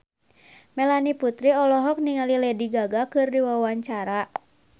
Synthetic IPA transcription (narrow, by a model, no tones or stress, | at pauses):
mɛlaniput̪ɾiɔlɔɦɔk̚niŋalilɛdiɡaɡakɨrdiwawaɲt͡ʃaɾa